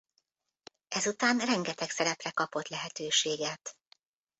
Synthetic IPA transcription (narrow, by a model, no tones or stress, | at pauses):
ɛzut̪aːnrɛŋɡɛt̪ɛksɛɾɛprɛkɒpo̞t̪lɛɦɛt̪øːʃeːɡɛt̪